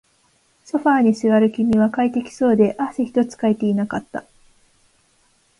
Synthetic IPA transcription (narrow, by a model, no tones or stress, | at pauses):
so̞ɸaːɲ̟isɨβaɾɯ̟kʲimʲiβakait̪e̞kʲi̥so̞ːd̪e̞ʔaseçi̥t̪o̞t͡sɨ̥kaet̪e̞inakat̪ːa